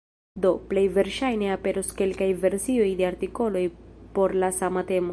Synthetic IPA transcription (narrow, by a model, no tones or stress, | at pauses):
do̞ple̞jve̞ɾʃajne̞ape̞ɾoske̞lkajve̞ɾsio̞jde̞aɾtiko̞lo̞jpo̞ɾlasamate̞mo